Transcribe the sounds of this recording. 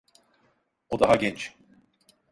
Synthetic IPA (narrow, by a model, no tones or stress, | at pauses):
od̪aɦaɟʲɛnt͡ʃ